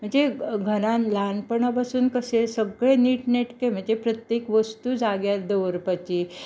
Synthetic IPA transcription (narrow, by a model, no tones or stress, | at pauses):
m̤əɳd͡zeɡʱəɾãnlanpəɳapasuːnkəsesəɡɭeniːʈneʈkem̤əɳd͡zepɾət̪jekʋəst̪ud͡zaɡjaɾd̪əʋəɾpat͡ɕi